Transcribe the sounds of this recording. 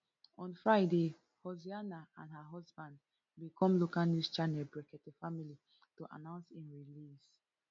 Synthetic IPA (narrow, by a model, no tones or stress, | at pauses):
ɔ̃nfɹaɪde | hɔzianaãndɦaɦɔzbãnd | bikʰɔ̃mlokanust͡ʃanɛlbɹɛkɛtefamili | toʔa̰nãʊ̃nsĩnɹilis